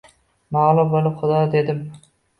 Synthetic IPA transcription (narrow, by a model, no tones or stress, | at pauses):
mɑʁlˠʊp̚bolˠɪpχʊd̪ɑd̪e̞d̪ɪm